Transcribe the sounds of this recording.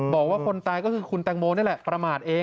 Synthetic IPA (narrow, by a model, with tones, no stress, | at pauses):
bɔː˨˩k̚waː˥˩kʰo˧nt̪aː˧jkɔː˥˩kʰɯː˧kʰu˧nt̪ɛː˧ŋmoː˧ni˥˩lɛ˨˩pɾa˧maː˨˩t̪̚ʔeː˧